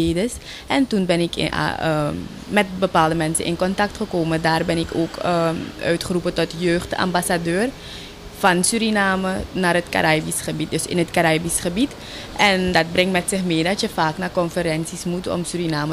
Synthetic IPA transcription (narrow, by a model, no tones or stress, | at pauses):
eːdəs | ɛntunbɛnɪk | mɛt̚bəpaːlˠdəmɛnsə̰ʔɪ̰nkɔntɑk̚tχəkoːmədaːrbɛnɪko̰ːkəœ̰ɥtχərupətɔtjøːχta̰mbasadøːr | fɑnsyɾinaːmənaːrɦətka̰ɾaːbisχəbit̚døsɪ̰nɦətkaɾaːbisχəbit | ʔɛndɑt̚brɪŋtmɛtsɪxmeːdɑtjəfaːknakɔnfəɾɛnsismutɔ̰msyɾinaːmə